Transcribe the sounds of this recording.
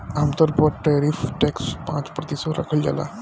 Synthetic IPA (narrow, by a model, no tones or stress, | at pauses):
amt̪əɾpɔʈɛɾifʈɛkspãt͡spɾət̪isəɾa̰kʰəld͡ʑa̰la̰